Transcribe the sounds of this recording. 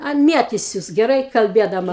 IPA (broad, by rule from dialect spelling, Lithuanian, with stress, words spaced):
ˈɐn ˈmʲiɛtʲɪsʲʊs ɡʲɛˈrɐɪ kɐlʲˈbʲiɛdɐmɐ